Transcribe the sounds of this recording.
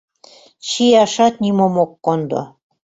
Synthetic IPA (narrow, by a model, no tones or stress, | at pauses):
t͡ɕijɑʃɑt̪̚nimomokːond̪o̰